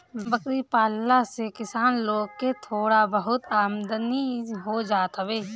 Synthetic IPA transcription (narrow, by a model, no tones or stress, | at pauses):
bəkɾipaːlːasekɪsaːnloːɡ̚ket̪ʰoːɽabəɦʊt̪aːmd̪əniɦod͡ʒaːt̪ɦəbeː